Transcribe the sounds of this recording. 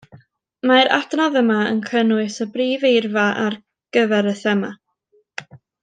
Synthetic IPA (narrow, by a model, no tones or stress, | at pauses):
maɾa̰dnaðəmaə̰nkʰənwɨsəbriːvejrvaʔar | ɡ̥əvɛɾəθɛma